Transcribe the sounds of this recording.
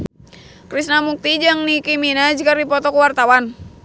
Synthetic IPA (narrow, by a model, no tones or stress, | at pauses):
kɾisnamuk̚t̪id͡ʒaŋnikiminad͡ʒkardipɔt̪ɔkuwart̪awan